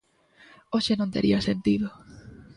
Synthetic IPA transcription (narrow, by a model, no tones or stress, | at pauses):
oʃenõnt̪ḛɾʔiɐsent̪iðo